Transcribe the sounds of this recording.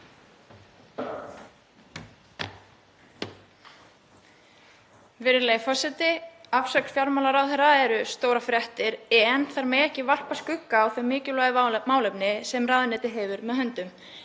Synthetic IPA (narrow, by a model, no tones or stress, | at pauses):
vɪɾɪɾleːjfɔsɛt̪ɪafsœksfjaɾmawlaɾawθɛɾaɛɾʏst̪oːwɾafɾɛht̪ɪɾɛnθaɾmɛjɛhcɪval̥paskʏkːaːwθœɥmːɪːcɪlɔɣmaːwlɛpnɪsɛmraːðɪnɛːt̪ɪɦɛvʏɾmɛðhœnt̪ʏm